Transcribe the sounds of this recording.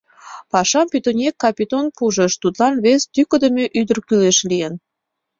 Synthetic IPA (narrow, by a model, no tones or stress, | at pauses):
pɑʃɑmpit̪onʲekːɑpʲit̪onpuʒə̆ʃt̪ut̪lɑnβest̪ykə̆d̪əmʲeʔyd̪ərkyleʃlijən